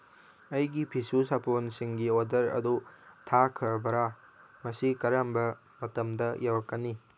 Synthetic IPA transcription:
ɐjɡipʰisusapʰonsiŋɡiodɐɾɐ̰dutʰakʰɐɾbɐɾa | mɐsikɐɾambɐ | mɐtɐmdɐjʔawɐkːɐni

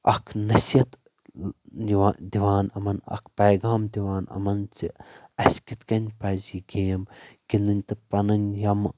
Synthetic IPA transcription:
ɐkʰnɐsjɐt̪ | d̪iʋaːnɐmɐnɐ̰kʰpɐjɡaːmd̪iʋaːnɐ̰mɐnt͡siɐskit̪kɐnʲpɐːziːɡeːmkind̪ɐnʲt̪ɐpɐnɐnjɐm

